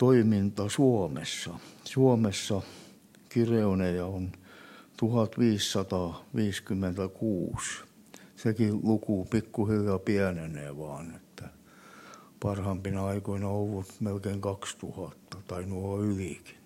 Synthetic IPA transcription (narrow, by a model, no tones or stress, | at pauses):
t̪oimint̪ɑsuɔmḛsːɑsuomesːɑ | kireunejɑont̪uhɑt̪ʋiːsːɑt̪ɑːʋiːskymːent̪ækuːs | sekilukupikːuhiljɑpiænenḛːʋɑːnet̪ːæ | pɑrhɑmpinɑɑikoinɑoʋːut̪melkeiŋkɑkst̪uhɑt̪ːɑt̪ɑinuoyliki̥n